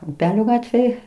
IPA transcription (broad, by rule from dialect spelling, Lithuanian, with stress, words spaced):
ʊˈpʲæːlʲoː ˈɡɑːtʲʋʲeːj